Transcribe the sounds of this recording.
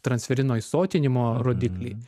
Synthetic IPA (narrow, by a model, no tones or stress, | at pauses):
t̪ɾɐnʲsʲfʲɛɾʲɪnoːjsoːt̪ʲɪnʲɪmoːɾoːd̪ʲɪklʲɛː